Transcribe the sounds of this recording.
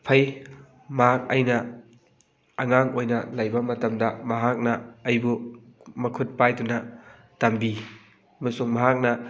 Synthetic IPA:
pʰɐj | mɐɦak̚ɐjnɐ | ɐŋaŋojnɐlɐjbɐmɐtɐmdɐmɐɦak̚nɐːjbumɐkʰut̚pajdunɐ | tɐmbi | ɐmɐsuŋmɐɦak̚nɐ

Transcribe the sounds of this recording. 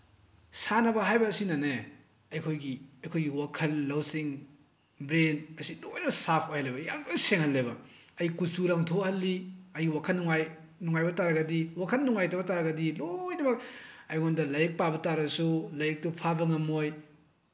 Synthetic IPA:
sanɐbɐɦajbɐːsinane | ɐjkʰojɡiɐjkʰojɡiwakʰɐlːɐwsiŋ | bɾenɐsinojnɐbɐsapʰojlebɐja̰ŋdojseŋhɐlːebɐɐjkusuɾaŋtʰohɐlːiɐjiwakʰɐlnːuŋaj | nuŋajbɐtaɾɐɡɐdiwakʰɐlnuŋajtɐbɐtaɾɐɡɐdilojnɐmɐk̚ɐjŋondɐlɐjek̚pabɐtaɾɐsulɐjek̚tupʰabɐŋɐmoj

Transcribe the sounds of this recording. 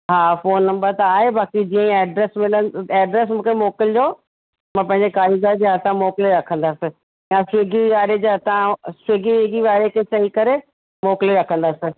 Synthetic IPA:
ɦaːfoːnːɐ̃mbəɾt̪ɐaːɦebʱaːkid͡ʑiːə̃ɛːɖɾɛːsmɪlənɛːɖɾɛs̬mũːkʰemoːkɪld͡ʑoː | mãːpɐ̃ɦɪ̃ɲd͡ʑekaːɾiɡaɾd͡ʑeɐt̪ʰãmoːkleɾɐkʰə̃nd̪aːsɪ̃ | jãsʊeːɡiaːɾed͡ʑeːɐt̪ʰãsʊeːɡiʋeːɡiʋaːɾekʰesɐikɐɾe | moːkliɾɐkʰə̃nd̪aːsɪ

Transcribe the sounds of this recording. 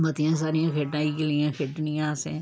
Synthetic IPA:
bɐt̪ijãs̬aːɾijãːkʰeʈãːikeliãkʰeʈnijãːsḛ̃ː

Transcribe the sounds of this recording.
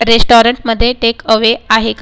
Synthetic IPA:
ɾesʈɔɾəɳʈməd̪ʱːjeʈekəʋeaɦek

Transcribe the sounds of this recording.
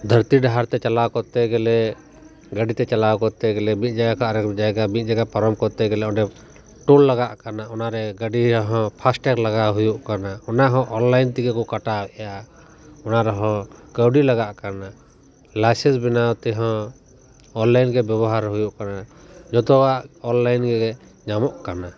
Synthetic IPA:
d̪ʱəɾt̪iɖaɦaɾt̪ɛt͡ʃalawkɔt̪ɛɡɛlɛ | ɡəɖit̪ɛt͡ʃalawkɔt̪ɛɡɛlɛmĩt̪̚ˀd͡ʒaɡakʰɔaɾɛd͡ʒaɡamit̪̚d͡ʒaɡapaɾɔmkɔt̪ɛɡɛlɛɔ̃ɖɛ | ʈulːaɡaʔkanaɔnaɾɛɡəɖiɾɔɦɔ̃pʰasʈɛklaɡaɦujuʔkanaɔnaɦɔ̃ʔɔnlajnt̪ikɛkɔkaʈawɛʔja | ɔnaɾɔɦɔ̃kəwɖilaɡaʔkana | lasɛsbinawt̪ɛɦɔ̃ː | nlajnɡɛbjɛbɔɦaɾɦujuʔkana | d͡ʒɔt̪ɔwaʔɔnlajnɡɛɡɛ | ɲamɔʔkana

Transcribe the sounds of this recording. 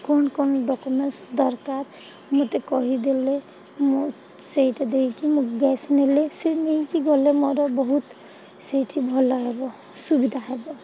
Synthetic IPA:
kɔnkɔnɖɔkumensd̪ɔɾkaɾ | mot̪ɛkɔɦid̪ilɛ | mo | seitad̪ekʰikimuɡɛsnelɛsemeikiɡɔlɛmɔɾɔbɔɦut̪ | seʈʰibʱɔlaɦɛbɔ | subid̪ʱaɦɛbɔ

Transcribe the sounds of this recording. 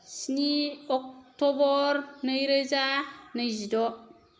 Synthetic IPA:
siniɔk̚tɔbɔɾnəjɾəzanəjzidɔ

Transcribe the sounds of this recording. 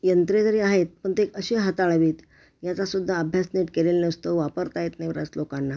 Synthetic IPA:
jənt̪ɾed͡z̪əɾiaɦet̪̚pəɳt̪eːkəɕeɦat̪aɭʋiːt̪ | jat͡sasud̪ʱːaəbʱjasniʈkeleləst̪əʋʋapəɾt̪aɦet̪najpɾat͡slokanːa

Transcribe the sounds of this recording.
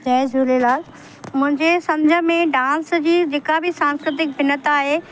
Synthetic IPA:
d͡ʑɐːd͡ʑʱuːlelaːl | mʊ̃ɦɪ̃ɲd͡ʑesɐ̃ɲd͡ʑʱə̆mẽɖãːnsd͡ʑiːd͡ʑeːkabʱɪsãːnskɾɪt̪̬ɪk̚bʱɪnət̪aːɦeː

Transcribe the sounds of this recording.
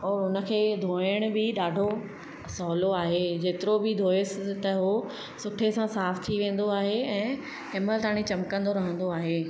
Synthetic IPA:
ɔːɾɦʊnə̆kʰeːd̪ʱoːɪɽ̃ʊbɪɗaːɖʱo | sɔːloaːɦed͡ʑeːt̪ɪɾobɪd̪ʱoːesɪt̪ɐɦo | sʊʈʰesãsaːft̪ʰiʋẽːn̆d̪oaːɦeɛ̃ː | ɪməlt̪aːɽ̃it͡ɕɐmkə̃nd̪oɾɐɦə̃nd̪oaːɦeː

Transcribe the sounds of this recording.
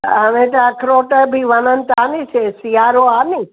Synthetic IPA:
ənet̪akʰɾoːʈəbʱiʋənənt̪aːnit͡ʃʰesiaɾoani

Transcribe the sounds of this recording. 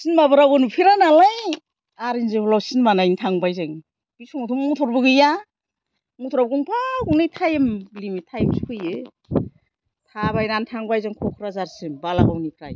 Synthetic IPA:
sinmabɯɾawɯnupʰiɾanalaj | aɾinzɯbulawsinmanajntʰaŋbajzɯŋ | b̥isɔŋatʰumŋutʰɔɾbɯɡɯja | ŋutʰɔɾabɡuŋpʰaɡuŋnɯjtʰajmblimitʰajmskʰɯjɯ | tʰabajnantʰaŋbajzɯŋkʰɔkʰɾazaɾsɯmbalabawnikʰɾa̰j

